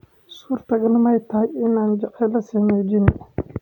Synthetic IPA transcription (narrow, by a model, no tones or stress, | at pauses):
suːɾt̪ʰɐɡɐlmɐjt̪ʰaːɪnaːnd͡ʒɑqɛlɐsiːmɛːd͡ʒɪn